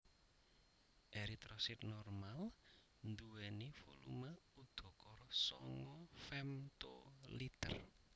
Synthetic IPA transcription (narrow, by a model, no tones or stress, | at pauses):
ʔeɾit̪ɾɔsit̪̚nɔrmal | nd̪uwɛnifo̰lṵməud̪̥ɔ̤kɔɾɔsɔ̰ŋɔfɛmt̪o̰lit̪ə̰r